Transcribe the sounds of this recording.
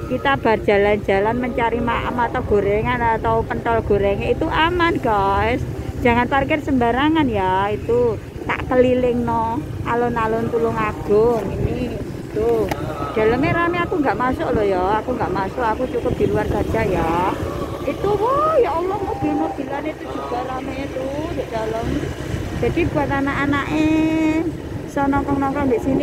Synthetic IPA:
kit̪ab̥a̤rd̥d͡ʒ̥a̤land͡ʒ̥a̤lanməɲt͡ʃaɾimaʔə̰mat̪awɡ̥o̤ɾɛŋanat̪awpənt̪ɔlɡ̥o̤ɾɛŋeit̪uʔamanɡaɪs | d̥d͡ʒ̥a̤ŋanparkɪrsəmbaɾaŋanjait̪u | t̪a̰ʔtəlilɪŋnɔ | alʊnalʊnt̪ulʊŋaɡ̥ɔŋiniit̪ud̥a̤ləmeɾameakuŋɡaʔmasʊʔlɔjaakuŋɡaʔmasʊʔakut͡ʃukʊp̚d̪̥i̤luarɡ̥ad͡ʒ̥aja | it̪uwojaolɔhmub̥i̤lnob̥i̤laneit̪ud͡ʒ̥ṳb̥a̤ɾamet̪und̪eʔd̥a̤ləm̥ | d͡ʒ̥a̤d̥i̤b̥ṳat̪anaʔanaʔe | sɔnɔŋkɔŋnɔŋkɔŋnd̪eʔsini

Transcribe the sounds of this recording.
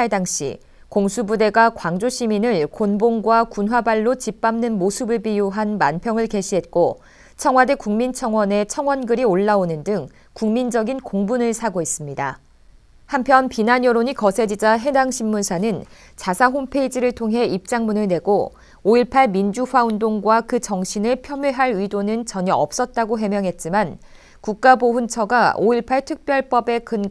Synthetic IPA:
edaŋɕ͈ḭ | koŋsʰubude̞ɡakwaŋd͡ʑoɕʰiminɯɭkonboŋɡwakunwabaɭːot͡ɕip͈amnɯnmosʰɯbɯɭbijuɦanmanpʰjʌŋɯɭke̞ɕʰiɦe̞t̚k͈o | t͡ɕʰʌŋɦwadekuŋmint͡ɕʰʌŋwʌne̞t͡ɕʰʌŋwʌnɡɯɾioɭːaonɯndɯŋ | kuŋmind͡ʑʌɡinkoŋbunɯɭsʰaɡois͈ɯmɲida̰ | hampʰjʌnpinaɲjʌɾoɲikʌsʰe̞d͡ʑid͡ʑaɦe̞daŋɕʰimːunsʰanɯn | t͡ɕasʰaɦompʰe̞id͡ʑiɾɯɭtʰoŋɦe̞ip̚t͡ɕ͈aŋmunɯɭne̞ɡo | oiɭpʰaɭmind͡ʑuɸwaundoŋɡwakɯt͡ɕʌŋɕʰinɯɭpʰjʌmjɯɦaɾidonɯnt͡ɕʌɲʌʌp̚s͈ʌt̚t͈aɡoɦe̞mjʌŋɦe̞t̚t͡ɕ͈iman | kuk̚k͈aboɸunt͡ɕʰʌɡaoiɭpʰaɭtʰɯk̚p͈jʌɭp͈ʌbe̞kɯn

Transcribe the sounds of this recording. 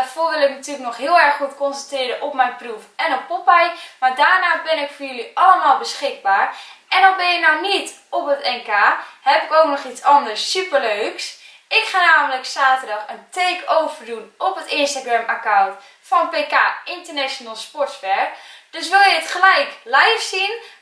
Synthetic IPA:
afoːʋɪlˠɪknatyːləknɔχɦɪəlˠɛrχːutkɔnsəntrɪːɾəʔɔpmɛjnprufɛnɔpːopɛjmaɹdaːɹnaːbɪnɪkfɔrjøliʔɑləmaːlˠbəsχɪɡ̚baːɹɛndɔnbɛnɪnɔwnit | opətɛnkaːhɛpɪkowk̚nɔχit͡sɔndəɹsːypərløːks | ɪkχaːnaːvənləksaːtədɔχəntʰeːkowvərdunɔpətɪnstaɡramakawnt | fɔnəpekaːɪntərnɛʃonəlˠspɔɹtsʋɛɹd̥øsʋɪlˠjəətχəlɛjklɛjfsin

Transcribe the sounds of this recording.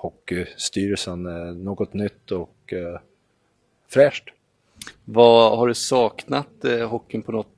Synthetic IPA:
hɔkːɪst̪yːɾəsənɛnoːɡɔt̪nʏt̪ːɔk | fɾɛːʂʈ | vahaɖɵsɑːknat̪ɦɔkːɪnpʰɔnɔt̪ː

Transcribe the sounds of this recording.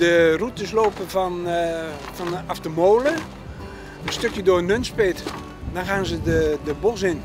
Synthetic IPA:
dərutɪsloːpəfɔn | fɔnaftəmoːlə | ənstøkjədʊːnønspɪt | dɔnxaːnzədədəbos̬ɪn

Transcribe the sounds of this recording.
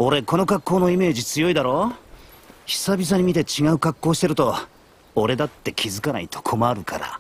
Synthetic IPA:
o̞ɾe̞ko̞no̞kakːo̞ːno̞ime̞ːʑit͡sɨjo̞id̪aɾo̞ː | çi̥sabʲis̬aɲ̟imʲit̪e̞t͡ɕiɡaɯ̟kakːo̞ːɕi̥t̪e̞ɾɯ̟t̪o̞ː | ɾe̞d̪at̪ːe̞kʲʰizɨkana̰it̪ʰo̞̥kʰo̞maɾɯ̟kʰa̰ɾa̰

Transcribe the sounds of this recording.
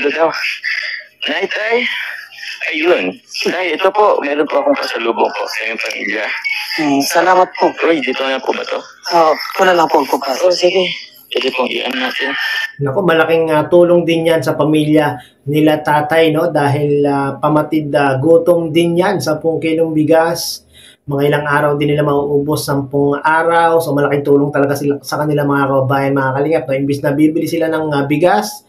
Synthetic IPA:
d̪od̪aw | naɪt̪ʔaj | ʔɐjon | d̪aːhɪlɛt̪opoʔmɛːɾonpoʔɐkoŋpɐ̰ŋsɐluːboŋpo̰ʔŋɐjoŋpɐmḭːljɐ | sɐlaːmɐt̪̚poʔʔojd̪iːt̪oŋɐpoʔbɐ̰t̪o̰ | ʔoʔokunɐlɐŋpoʔpopɐʔosiɡe | pɛd̪ɛpoŋʔḭʔɐ̰ŋnat̪ɪnnɐko̞mɐlɐkɪŋɐt̪uːloŋd̪ɪnjansɐpɐmiːljɐ | nɪlat̪aːt̪ɐjno̞d̪aːɦɪlɐpɐmɐt̪ɪd̪ɐɡuːt̪oŋd̪ɪnjansɐmpʊŋkinoŋbɪɡas | mɐŋaʔɪlaŋʔaːɾɐwd̪ɪnːɪlamɐoʔoːbosːɐmpʊŋʔaːɾɐwsomɐlɐkɪŋt̪uːloŋt̪ɐlɐɡasɪlasɐkɐnɪlamɐŋakɐbɐbaːjɐnmɐŋakɐlɪŋat̪̚noʔɪmbɪsnɐbibɪlɪsɪlanɐŋbɪɡas

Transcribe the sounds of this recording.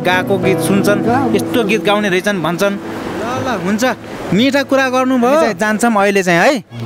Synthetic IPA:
ɡakoɡit̪sunt͡sʰʌnest̪oɡit̪̚ɡawneɾʌit͡sʰʌnbʱʌnt͡sʰʌnlʌlʌɦunt͡sʰʌ | miʈʰʌkuɾaɡʌrnubʱʌjoaĩd͡zant͡sʰʌmʌilet͡sãĩɦʌj

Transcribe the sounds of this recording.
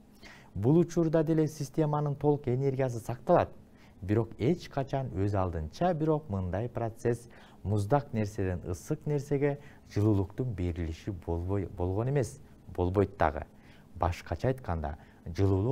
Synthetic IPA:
bulˠut͡ʃuɾd̪ɑd̪e̞le̞sʲisʲt̪ʲe̞mɑnɯnt̪ʰo̞lˠuqe̞nʲe̞ɾɡʲijas̬ɯsɑqt̪ɑlˠɑt̪̚ | biɾo̞qe̞t͡ʃqʰɑt͡ʃɑnø̞zɑlˠd̪ɯnt͡ʃɑbiɾo̞q̚mɯnd̪ɑjprot̪se̞s | muzd̪ɑqne̞ɾse̞d̪enɯ̰sɯqne̞ɾse̞ɡe̞ | d͡ʒɯlˠuːlˠuqt̪unbe̞ɾiliʃibo̞lˠʁo̞ne̞me̞s | bo̞lˠbo̞jt̪ːɑ̰ʁɯ̰ | bɑ̰ʃqɑt͡ʃʰɑːjt̪qɑnd̪ɑ̰ | d͡ʒɯlˠuːlˠu

